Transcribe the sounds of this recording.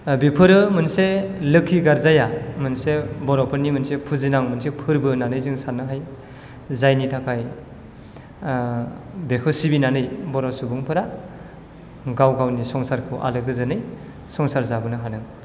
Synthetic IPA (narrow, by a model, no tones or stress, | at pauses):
bipʰɯɾɯmɯnselɯkʰːiɡaɾzajamɯnsebɔɾɔwpʰɯɾnimɯnsepʰuzinaŋmɯnsepʰɯɾbɯnanɯjzɯŋsanɯɦaj | zajnitʰakʰaj | bekʰɯsibinanɯjbɔɾawsubɯŋpʰɯɾa | ɡawɡawnisɔŋsaɾkʰɯwʔa̰lɯɡɯzɯnɯj | sɔŋsaɾzabɯnɯɦanɯŋ